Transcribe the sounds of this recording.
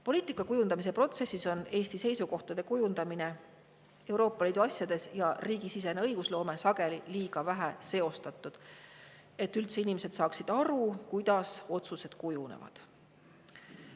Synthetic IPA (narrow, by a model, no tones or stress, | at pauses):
po̞liːt̪ːˑikːˑɑkujund̪ɑmise̞pro̞t̪se̞sːiso̞ne̞ːst̪ise̞jsuko̞ht̪ɑd̪̥e̞kujund̪ɑmine̞ | e̞wɾo̞ːpˑːɑliːd̪uɑsʲjɑd̪̥e̞sjɑriːɡisis̬e̞neɤjɡ̥uslo̞ːme̞sɑɡ̥e̞liliːɡ̥ɑvæɦæse̞o̞st̪ɑt̪ːˑud̪̥ | e̞t̪ːˑylt̪se̞inimese̞d̪sɑːksid̪̥ɑɾukujd̪̥ɑso̞t̪suse̞d̪̥kujunḛvɑ̰d̪̥